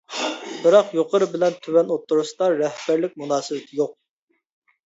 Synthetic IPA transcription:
b̥ɪɾɑqjoqəɾɨbɪlɛnt̪ʰywɛnot̪ʰːuɾuʃd̪ɑɾɛhb̥æɾlɪk̚ʲmunɑːsɨwɪt̪ʰɪjoq̚

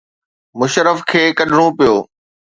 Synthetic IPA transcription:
mʊʃɾəfkʰeːkɐɗʱɪɽ̃õpijoː

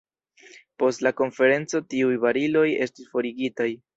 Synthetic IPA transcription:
po̞stlako̞nfe̞ɾe̞nt͡so̞tiujvaɾilo̞je̞̰stisfo̞ɾiɡitaj

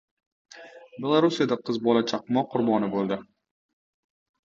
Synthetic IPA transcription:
bʲe̞lˠaɾusijad̪aqʰɨzbɒlat͡ʃʰɑqmɒqʰːʊɾbɒnɪbolˠd̪ɪ

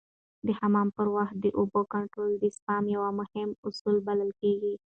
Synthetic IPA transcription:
d̪əhamɑmpəɾwaxt̪̚d̪əʔʊbokaɳʈɾold̪əspɑmjawamʊhɪmʊsulbaləlkeɡi

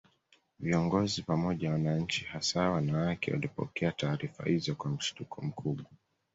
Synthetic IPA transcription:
viɔŋɡɔzipamɔʄawanaɲ̩t͡ʃihasawanawakɛ̰wa̰lipɔ̰kɛataːɾifa̰hizɔkwam̩ʃi̥tukʰɔm̩kʰuɓwa

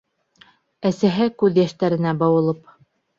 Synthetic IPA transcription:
æsæɦɘkʉðjæʃt̪æɾɘ̆næbɑwɤ̆lˠɤp

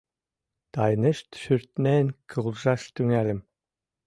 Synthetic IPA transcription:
d̪̥ɑjnɨʃt̪ʃyɾt̪nenkʰɯlʒɑʃt̪yŋælɘm

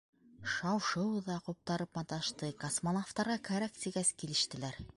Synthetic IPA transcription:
ʃɑwʃɤwðɑqup̚t̪ɑɾɤpmɑt̪ɑʃt̪ɤkɐsmonoft̪ɑɾʁɑkæɾækt̪iɡæskilɘ̆ʃt̪ɘ̆læɾ

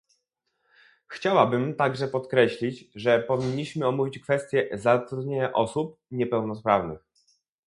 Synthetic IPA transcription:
xt͡ɕawabɘmt̪aɡʐɛpɔt̪kɾɛɕlʲid͡ʑʐɛpɔvʲiɲːiɕmɘɔmuvʲit͡ɕkfɛst̪ʲjɛzat̪ɾud̪ɲeɲaʔɔsup̚ɲɛpɛwnɔspɾavnɘ̰x

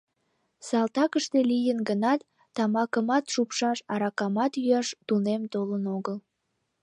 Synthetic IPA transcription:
sɑlt̪ɑkəʃt̪elijənɡənɑt̪ː | ɑmɑkəmɑt̪ʃupʃɑʃɑɾɑkɑmɑt̪jyɑʃt̪unemt̪olənoɣəl

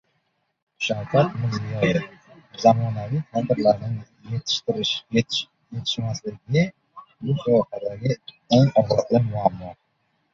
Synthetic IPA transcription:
ʃawkʲʰat̪mʊzɪjɒjɪfzamɒnavijt̪ʰat̪ɪɾlaɾnɪɪ | jet̪ʰɪ̥ʃt̪ɪɾɪʃ | je̞t̪ʰɪ̥ʃmaslɪɡʲɪ | bʊtʰaqad̪aɡʲɪ | eŋɒzɑt̪lɪmʊaːmːu

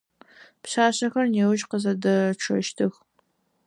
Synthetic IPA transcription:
pɕaːɕɐxɐrnewʊʒqəzɐdɨʈ͡ʂʰɐ̰ʃtʰɨx

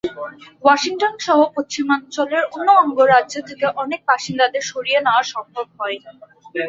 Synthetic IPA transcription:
wɔʃiŋʈonʃɔɦopost͡ɕimant͡ɕoleɾonːoɔŋɡoɾadd͡ʑot̪ʰekeʔɔnek̚baʃind̪ad̪eɾʃoɾienaoaʃɔmbʱob̚ɦɔe

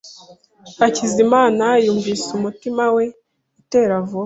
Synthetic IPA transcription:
acizimaːnajuːɱvisumutimawe̞ | ite̞ːɾavo

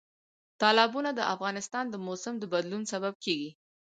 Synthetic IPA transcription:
t̪ɑlɪbunad̪əʔafɣɑnɪst̪ɑnd̪əmosɪmd̪əbad̪lunsabab̚keɡi

